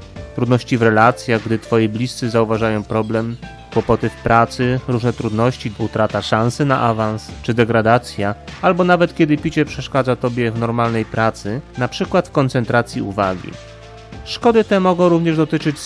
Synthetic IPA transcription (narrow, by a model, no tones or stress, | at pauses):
t̪ɾud̪nɔɕt͡ɕivɾɛlat̪sʲjaɣɡd̪ɘt̪fɔjiblʲist̪sɘzauvaʐajɔ̃w̃pɾɔblɛm | kwɔpɔt̪ɘfpɾʔat̪sɘɾuʐnɛt̪ɾud̪nɔɕt͡ɕiut̪ɾat̪aʂãnsɘnaʔavanst͡ʂɘd̪ɛɡɾad̪at̪sʲjaalbɔnavɛt̪kʲɛd̪ɘpʲit͡ɕɛpʂɛʂkad̪zat̪ɔbʲjɛvnɔɾmalnɛjpɾat̪sɘnapʂɘkwat̪fkɔnt̪sɛnt̪ɾat̪sʲjiṵvaɡʲḭ | ʂkɔd̪ɘt̪ɛmɔɡɔ̃w̃ɾuvɲɛʐd̪ɔt̪ɘt͡ʂɘt͡ɕ